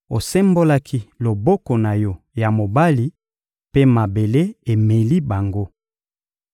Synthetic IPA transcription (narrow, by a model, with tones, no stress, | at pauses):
o˨sɛ˦mbo˦la˦kʰi˦lo˨bɔ˦kɔ˨na˨jɔ˦ | ja˨mo˨ba˦li˦ | pe˦ma˨be˨le˦e˨me˨li˦ba˨ŋɡo˦